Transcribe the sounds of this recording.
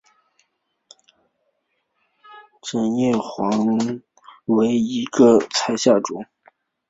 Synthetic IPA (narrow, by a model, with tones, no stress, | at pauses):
ʈ͡ʂə˧˩njɛ˥˩xwɑ˧˥ŋ | we˧˥ɪi˧˥ɡə˧t͡sʰa˥ɪɕja˥˩ʈ͡ʂʊ̰˨˩˦ŋ